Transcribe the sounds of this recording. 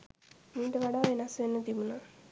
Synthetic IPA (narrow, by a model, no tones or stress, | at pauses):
miːʈəʋaɖaːʋenasʋenːət̪ibuna